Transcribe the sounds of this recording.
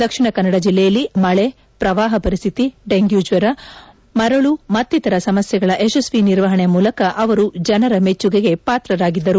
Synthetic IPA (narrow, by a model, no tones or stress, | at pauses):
d̪ɐkʂiɳɐkɐnːɐɽɐd͡ʒilːɛjɐlːimɐɭe | pɾɐʋaːɦɐpɐɾist̪ʰit̪iɖeŋɡjuːd͡ʒʋɐɾɐ | mɐɾɐɭumɐt̪ːit̪ɐɾɐsɐmɐsjɛɡɐɭɐʔesesʋiniɾʋɐɦɐɳemuːlɐkɐʔɐʋɐɾud͡ʒɐnɐɾɐme̞t͡ʃːuɡeɡe̞paːt̪ɾɐɾaːɡid̪ːɐɾu